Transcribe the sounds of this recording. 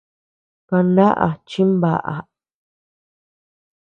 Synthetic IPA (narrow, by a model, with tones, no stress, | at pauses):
kã˧na˦ʔa̰˨t͡ʃĩ˦mba˨ʔa̰˨